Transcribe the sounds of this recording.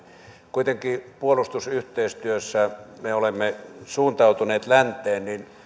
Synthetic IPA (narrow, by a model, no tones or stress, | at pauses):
kuit̪eŋkipuolust̪usyht̪eˑist̪yøsːæmeolemːesuːnt̪ɑˑut̪uneːt̪lænt̪ˑeːnnin